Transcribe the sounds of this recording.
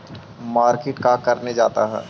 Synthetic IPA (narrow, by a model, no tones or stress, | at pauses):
maːɾkeːʈkakɐɾned͡ʒaːt̪aɦɛ̰ː